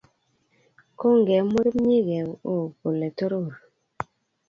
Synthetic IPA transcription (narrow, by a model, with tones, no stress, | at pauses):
ko˦ŋ˨ɡɛ˨˦mu˦ɾmi˦ɡɛ˨o˨ko˨le˨to˦ɾo˦˨ɾ